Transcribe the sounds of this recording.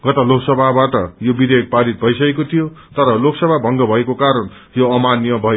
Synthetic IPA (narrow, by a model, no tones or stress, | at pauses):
ɡ̥ʌt̪aloksʌbʱabaʈʌjobid̪ʱek̚paɾit̪̚bʱʌjsʌekot̪ʰijo | t̪ʌɾʌloksʌbʱabʱʌŋɡʌbʱʌekokaɾʌn | joʌmanjʌbʱʌe